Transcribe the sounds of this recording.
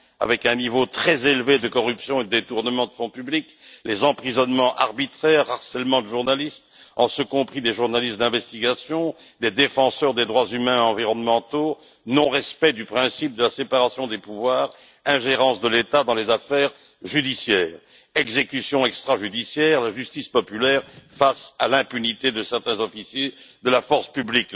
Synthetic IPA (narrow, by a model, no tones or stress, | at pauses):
a̰vɛkɛ̃nivot̪χɛzelved̪əkɔʁypsjɔ̃ed̪əd̪et̪uʁnəmɑ̃d̪əfɔ̃pyblik | lezɑ̃pχizɔnmɑ̃ʔa̰ʁbit̪χɛʁaʁsɛlmɑ̃d̪əʒuʁnalist̪ɑ̃səkɔ̃pχid̪eʒuʁnalist̪d̪ɛ̃vɛst̪iɡasjɔ̃ | d̪ed̪efɑ̃sœʁd̪ed̪ʁwazymɛ̃ɑ̃viʁɔnmɑ̃t̪o | nɔ̃ʁɛspɛd̪ypχɛ̃sip̚d̪əlasepaʁasjɔ̃d̪epuvwaːʁ | ɛ̃ʒeʁɑ̃sd̪əlet̪ad̪ɑ̃lezafɛːʁ | ʒyd̪isjɛːʁ | ɛɡzekysjɔ̃ɛkst̪χaʒyd̪isjɛːʁlaʒyst̪ispɔpylɛːʁfasalɛ̃pynit̪ed̪əsɛʁt̪ɛ̃zɔfisjed̪əlafɔʁsə̥pyblik